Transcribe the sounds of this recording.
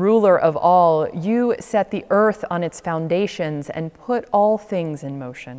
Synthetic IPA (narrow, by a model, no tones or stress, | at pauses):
ɹulˠə˞ʔʌvɔlˠjɨsɛt̪̚ðiʔɜ˞θn̩ɨtsfãʊ̃ndeɪʃɨ̃nzɨ̰̃npʰʊɾɔlˠθɪ̃ŋzɨ̃nmoʊʃɨ̃n